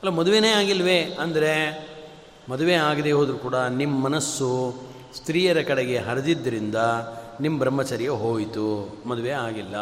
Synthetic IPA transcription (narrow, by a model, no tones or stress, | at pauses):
ɐlːoːmɐd̪uʋeneːaːɡilːɐʋe̞ɐnd̪ɐɾe̞ | mɐd̪uʋeːaːɡɐd̪eːɦoːd̪ɾukuːɽɐnimːɐmɐnɐsːu | st̪ɾiːjɐɾɐkɐɽeɡe̞ɦɐɾɐd̪id̪ːɐɾind̪ɐnimːɐbʱɾɐmːɐt͡ʃɐːɾijɐɦo̞ːjit̪umɐd̪uʋeaːɡilːɐ